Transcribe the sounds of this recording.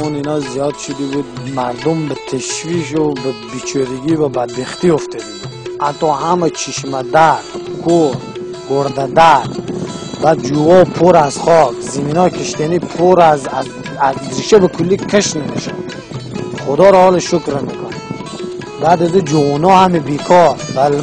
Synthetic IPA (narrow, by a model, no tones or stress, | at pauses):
uninɔzijɔd̪ʃud̪ibud̪̚maɾd̪umbət̪ʰəʃviʃ̬ubəbit͡ʃʰɔɾiɡivəbad̪̚beχt̪ioft̪ʰəd̪iat̪ːɔhamət͡ʃʰiʃməd̪aɾkʰoɾ | ɡoɾd̪ad̪aɾbad̪̚d͡ʒuɔpʰoɾazχɔkzəminɔjkʰəʃt̪ʰenipʰoɾaz | azɾiʃəbəkʰulːikʰəʃnemeʃa | χod̪ɔɾɔhɔlʃukɾmekʰun | bad̪əd̪əd͡ʒuunɔhamibekʰɔɾbə